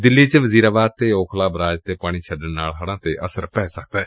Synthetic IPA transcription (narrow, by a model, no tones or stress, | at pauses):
d̪ɪlːiːt͡ʃəʋəziːɾaːbaːd̪̚t̪eːoːkʰlaːbɾaːd͡ʒt̪eːpaːɽ̃iːt͡ʃʰəɖənnaːlɦəɽãːt̪eːʔəsəɾpɛːsək̚d̪ɛː